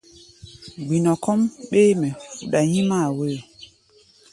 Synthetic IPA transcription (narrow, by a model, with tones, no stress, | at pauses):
ɡ͡bi˨nɔ˨kɔ˦mɓe˦mɛ˨fu˨ɗa˨ɲĩ˦maː˦˨we˦˨